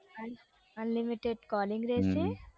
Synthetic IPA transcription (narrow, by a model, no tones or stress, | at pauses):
ɐn | ɐnlɪmiʈeɖkɔːlɪ̃ŋɡɾeːse